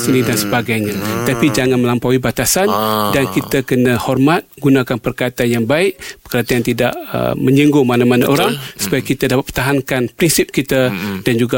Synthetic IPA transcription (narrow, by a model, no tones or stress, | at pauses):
sənidansəbaɡajɲãt̪apid͡ʒaŋanməlampawibat̪asandankit̪akənə̃hɔrmat̪̚ɡunakanpərkait̪anjaŋbaɪʔbəkəɾat̪aant̪idaʔə̰məɲəŋɡomanamanaʔoɾaŋsu̥pajakit̪adapat̪̚pt̪aɦaŋkanpɾinsɪp̚kit̪əd̥and͡ʒuɡa